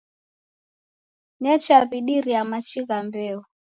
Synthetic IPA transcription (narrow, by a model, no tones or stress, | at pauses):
ɲɛt͡ʃaβiɗiɾiamat͡ʃiɣambɛɔ